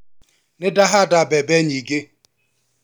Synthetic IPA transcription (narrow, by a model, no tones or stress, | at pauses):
nɪdaɦadabɛbeɲiɡe